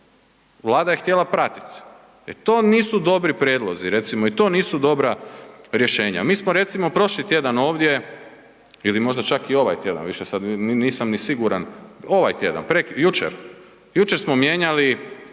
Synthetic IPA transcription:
ʋlˠaːd̪ajext̪jelˠapɾat̪i̥t̪ | ɛt̪oːniːsud̪o̞bɾipɾjed̪lˠo̞ziɾe̞t̪simoit̪o̞ːniːsud̪o̞bɾaɾje̞ʃe̞ːɲa̰miːsmoɾe̞t̪simo̞pɾo̞ʃlit̪je̞d̪ano̞ːʋd̪je | ilimo̞ʒd̪at͡ʃakio̞ʋa̰jt̪je̞d̪a̰nʋiʃesad̪nniːsamnisiɡuɾano̞ʋajt̪je̞d̪a̰npɾekjut͡ʃḛɾ | jut͡ʃeɾsmomje̞ɲali

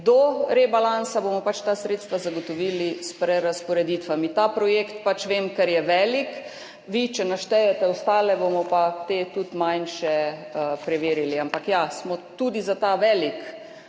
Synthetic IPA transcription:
d̪ɔɾebalansabomɔpat͡ʃt̪aːsɾeːt̪st̪ʋazaɡot̪ɔʋiːlispɾɛɾaspɔɾɛd̪it̪ʋamit̪aːpɾɔjeːkt̪pat͡ʃʋeːmkɛɾjɛʋɛːlik | ʋit͡ʃɛnaʃt̪ɛjɛt̪ɛɔst̪aːlɛbomɔpat̪eːt̪ut̪majnʃɛpɾɛʋeːɾiliampakjasmɔt̪ud̪izat̪aʋɛːlik

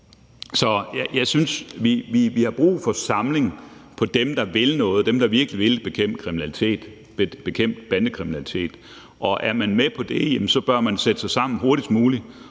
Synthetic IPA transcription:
sɒ̽jæjɑ̈ɪsynsʋiʋiʋihɑ̈b̥ʁṵːfɒ̽sɑ̈mle̝ŋ̩pʰɒ̽d̥emd̥ɑ̈ʋe̝lnɔ̽ːð̩ˠd̥emd̥ɑ̈ʋiɐɡ̥əliʋe̝lb̥e̝kʰem̰̥kʰʁiminælit͡sʰe̝̰ːd̥ | eb̥e̝kʰem̰d̥̚b̥ænd̥əkʰʁiminælit͡sʰe̝̰ːd̥ | ʔɒ̽ʔæɐmænmepʰɒ̽d̥e̝jemnsɒ̽b̥ɶɐmænsed̥əsɑ̈ɪsɑ̈m̰n̩ɦoɐdid̥muːli

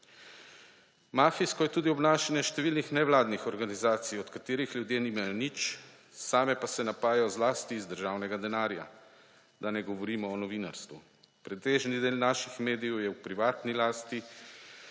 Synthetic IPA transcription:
maːfiskɔjɛt̪uːd̪iɔbnaːʃanjɛʃt̪ɛʋiːlnixnɛʋlaːd̪nixɔɾɡanizaːt̪sijɔt̪kat̪eːɾixljud̪jeːniːmajɔnit͡ʃ | saːmɛpasɛnapaːjjɔzlaːst̪iːzd̪əɾʒaːwnɛɡad̪ɛnaːɾja̰ | d̪anɛɡɔʋɔɾiːmɔːnɔʋiːnaɾst̪ʋu | pɾɛt̪eːʒnid̪eːlnaːʃixmeːd̪ijɛwjɛwpɾiʋaːt̪nilaːst̪i

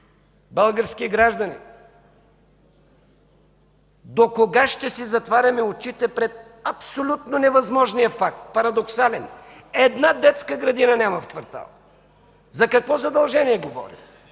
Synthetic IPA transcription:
bəlˠɡəɾskiɡɾaʒd̪ɐnḭ | d̪okoɡaʃt̪ɛsizɐt̪vaɾʲɐmɛot͡ʃit̪ɛpɾɛt̪̚ | ɐpsolʲut̪nonɛvɐzmɔʒnijəfak̚t̪̚pɐɾɐd̪oksalɛnɛd̪nad̪ɛt̪skəɡɾɐd̪inɐnʲamɐfkvɐɾt̪a̰lˠ | zɐkɐkvɔzɐd̪ɐlˠʒɛniɛɡovɔ̰ɾḭ

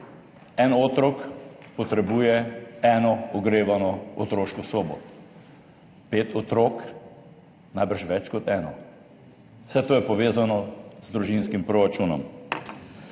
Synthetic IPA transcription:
ɛnoːt̪ɾɔkpɔt̪ɾɛbuːjɛɛnɔɔɡɾeːʋanɔɔt̪ɾoːʃkɔsoːbɔ̰ | peːt̪ɔt̪ɾoːk | najbəɾʃʋɛt͡ʃkɔt̪ɛːnɔ | sɛt̪oːjɛpɔʋeːzanɔzd̪ɾuʒinskimpɾoɾat͡ʃuːnɔm

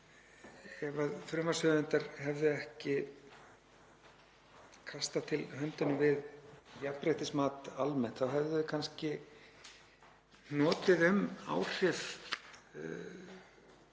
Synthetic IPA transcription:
ɛvaðfɾœmasœðɪnt̪aɾɦɛvðʏɛhcɪ | kʰast̪at̪ʰɪlhœnt̪ʏnʏmvɪðjapɾeht̪ɪsmaːt̪almɛn̥t̪θawɦɛvðʏkʰanscɪ | nɔːt̪ɪðʏma̰ːwr̥ɪf

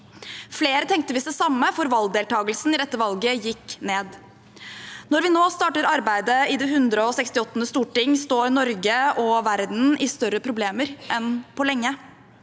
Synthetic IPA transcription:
fleːɾət̪ʰɛŋk̚t̪əʋɪsɛsɑmːəfɔɾʋɑlɡd̪eːlt̪ʰɑːɡəlsn̩ɪd̪ɛt̪ːəʋɑlɡəjɪkːneːd̪ | nɔɾʋɪnoːst̪ɑːʈəɾɑɾbæɪd̪əɪd̪ɛhʉnd̪ɾəɔsɛkst̪ɪɔt̪ːənəst̪uːʈɪŋːst̪oːɾnɔɾɡəʔɔʋæɾd̪n̩ɪst̪œɾəpʰɾʊbleːməɾʔɛnpʰɔlɛŋːə

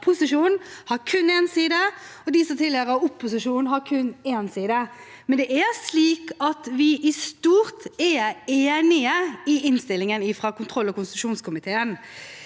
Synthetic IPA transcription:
pʰʊsɪʂuːnn̩hɑɾkʰʉnːeːnsiːd̪əɔd̪ɪsɔt̪ʰɪleɾəʊpʰːʊsɪʂuːnnɦɑɾkʰʉneːnsiːd̪ə | mɛnd̪ɛʔæɾsliːkɑt̪ʋɪʔɪst̪uːɾt̪ɛɾeːnɪəɪɪnst̪ɪlːɪŋənɪfɾɑkʊnt̪ʰɾɔlːɔkʊnst̪ʉʂuːnskʰʊmɪt̪ʰeːən

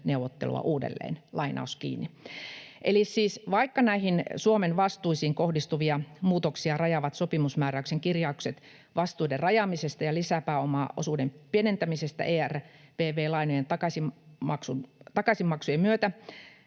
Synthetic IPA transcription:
neuʋˑot̪ːḛlṵɑ̰ʔuːdḛlːḛːnlʔɑinɑ̰uskḭːnːi | ʔelissiːsʋɑikːɑnæihinsuomenʋɑst̪uisiːŋkohdist̪uʋiɑmuːt̪oksiɑrɑjɑʋɑt̪sopimusmæːræykseŋkirjɑukset̪ | ʋɑst̪uiderrɑjɑːmisest̪ɑjɑlisæpæːomɑ̰ːʔosuːdempienent̪æmisest̪æ̰ʔeːærʋeːʋeːlɑinojent̪ɑkɑsimmɑksunt̪ɑkɑsimmɑksujemmyøt̪æ

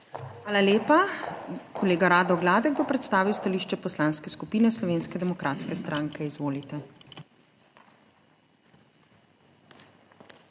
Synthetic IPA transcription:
xʋaːlaleːpa | kʰɔleːɡaɾaːd̪ɔɡlaːd̪ɛɡ̚bopɾɛt̪st̪aːʋiwst̪aliːʃt͡ʃɛpɔslaːnskɛskupiːnɛslɔʋeːnskɛd̪ɛmɔkɾat̪skɛst̪ɾʔaːŋkɛizʋoːlit̪ɛ

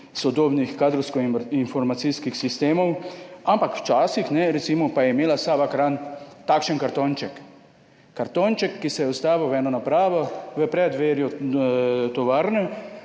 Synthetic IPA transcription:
sɔd̪oːbnixkaːd̪ɾɔwskɔinfɔɾmat̪siskixsist̪eːmɔwampakwt͡ʃaːsixnɛɾɛt̪simɔpajɛimeːlasabakɾant̪akʃɛnkaɾt̪oːnt͡ʃɛkː | aɾt̪oːnt͡ʃɛkːisɛjɛɔst̪aːʋiwʋɛnɔnapɾaːʋɔʋəpɾɛd̪ʋeːɾjɔ | t̪ɔʋaːɾnɛ

